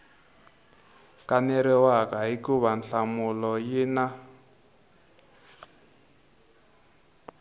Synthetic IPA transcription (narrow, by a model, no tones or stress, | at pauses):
kanɛɾɛwakaɦikuβanɬamulɔjina